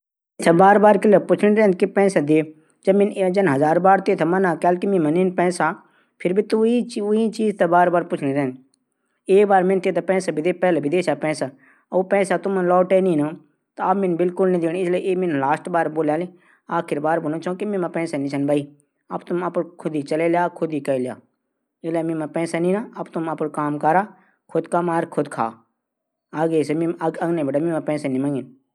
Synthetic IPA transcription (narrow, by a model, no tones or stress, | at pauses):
t̪ʰɐbaːɾbaːɾkɪlepʊt͡ʃʰɽ̃ĩɾɛ̃ːnd̪kipɛ̃ːsad̪e | d͡ʒɐbmɪnd͡ʒɐnɦɐzaːɾbaːɾt̪eːt̪ʰɐmɐnaːkaːlkimĩmɐninpɛ̃ːsaː | pʰɪɾbʱit̪uiʊit͡ʃiːzt̪ebaːɾbaːɾpʊt͡ʃʰɽ̃iɾɛːnd̪ | eːkbaːɾmɪnt̪eːt̪ʰapɛ̃ːsabɪd̪epɛːlebɪd̪eːʃapɛ̃ːsa | upɛ̃ːsat̪ʊmlɔːʈɛːnĩːnoː | t̪aɐmɪnbɪlkʊlnĩd̪eːɽ̃ɪsleʔeːmɪnlaːsʈbaːɾboːljaːle | aːkʰɪɾbaːɾbonõːt͡ʃãkemẽmãpɛ̃ːsanĩt͡ʃʰənbʱaːiː | ɐbt̪ʊmɐpɽkʰʊd̪iːt͡ʃəleljaːkʰʊd̪iːkəelja̰ː | ɪlamɪ̃mapɛ̃ːsanĩːnaɐbt̪ʊmɐpɽkaːmkaɾaː | kʰʊd̪kaːmaːɾkʰʊd̪kʰa̰ː | aːɡeːsemɪ̃ɐɡɐɡnebəʈamɪ̃mãpɛ̃ːsanĩmə̃ŋɡɪn